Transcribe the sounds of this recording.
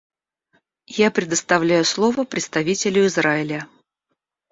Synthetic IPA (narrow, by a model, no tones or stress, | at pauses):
japɾʲɪd̪əst̪ɐvlʲæjʊslˠo̞vəpɾʲɪt̪st̪ɐvʲitʲɪlʲʊɪzraɪlʲə